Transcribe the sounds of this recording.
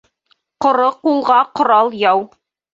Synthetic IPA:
qŏɾɤq̚ulˠʁɑqŏɾɑlˠjɑw

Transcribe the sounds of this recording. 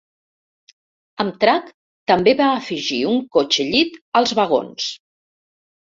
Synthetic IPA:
əmt̪ɾak | t̪əmbeβaəfiʒiuŋkot͡ʃəʎit̪əlˠzβəɣo̰ns

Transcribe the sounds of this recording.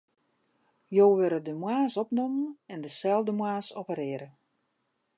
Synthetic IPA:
joːʋɪɾədəmwaːsɔpnomənɛndəsɛlˠdəmwaːsopəɾɪəɾə

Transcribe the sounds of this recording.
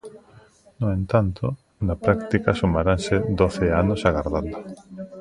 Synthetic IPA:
noent̪ant̪ʰo | napɾakt̪ikasumaɾansed̪oθeanosaɣaɾðand̪ʊ

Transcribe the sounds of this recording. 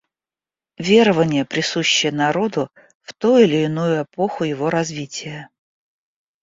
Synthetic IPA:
vʲe̞ɾəvənʲɪjəpɾʲɪsuɕːɪjənɐɾo̞d̪ʊ | ft̪ujʊɪlʲɪːnujʊɛpo̞xʊjɪvo̞ɾɐzvʲitʲɪjə

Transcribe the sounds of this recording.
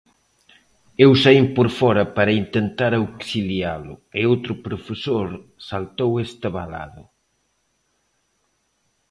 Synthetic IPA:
ewsaimpoɾfɔɾɐpaɾɐint̪ent̪aɾawksiljalʊɪowt̪ɾʊpɾofesoɾsalt̪owest̪aβala̰ðʊ

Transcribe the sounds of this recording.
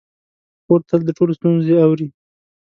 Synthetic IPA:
koɾt̪ald̪əʈolost̪unzeawɾi

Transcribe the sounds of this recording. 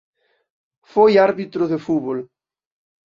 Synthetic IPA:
fojaɾβit̪ɾʊðefuβol

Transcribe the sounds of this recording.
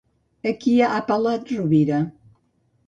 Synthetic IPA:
əkiaʔapalat̪ruβiɾa

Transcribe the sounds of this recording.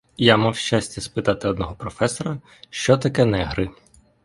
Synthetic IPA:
jamawʃt͡ʃasʲtʲɐspɪt̪ɑt̪ɪɔd̪nɔɦɔpɾɔfɛsɔɾɐ | ʃt͡ʃɔt̪ɐkɛnɛɦɾɪ

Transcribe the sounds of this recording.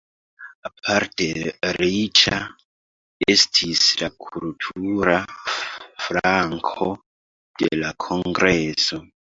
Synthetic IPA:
apʰaɾtʰe̞ɾit͡ʃa | estʰislakʰultʰuɾa | fɾaŋkʰo | d̥e̞̰lakʰoŋɡɾeso

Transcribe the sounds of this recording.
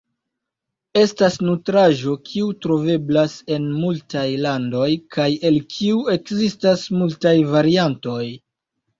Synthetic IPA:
e̞stasnutɾaʒo̞kʰiutɾo̞ve̞blase̞nmultajlando̞jkʰaje̞lkʰiue̞kzistasmultajvaɾianto̞j

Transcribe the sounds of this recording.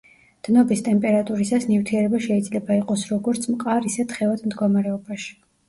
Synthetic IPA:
d̪̥nɔbist̪ʼɛmpʼɛɾat̪ʼuɾisasnivt̪ʰiɛɾɛbaʃɛid̪zlɛbaiqʼɔsɾɔɡɔɾt̪sʰmqʼaɾisɛt̪ʰχɛvad̪md̪ɡɔmaɾɛɔbaʃi̥

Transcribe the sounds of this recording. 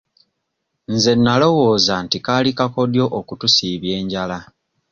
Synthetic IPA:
nze̞nːalo̞wo̞ːzantikaːlikako̞djo̞ʔokutusiːβje̞ːɲɟala

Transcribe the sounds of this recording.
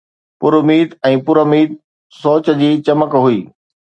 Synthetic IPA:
pʊɾʊmiːd̪ɛ̃ːpʊɾomiːt̪̚ | soːt͡ɕə̆d͡ʑiːt͡ɕɐməkɦʊiː

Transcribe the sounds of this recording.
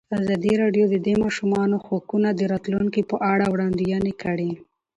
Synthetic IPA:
azɑd̪iɾɑɖjod̪əd̪emɑʃumɑnoxokunad̪əɾɑt̪luŋkipəʔaɽawɽɑnd̪ijɑnekəɽi

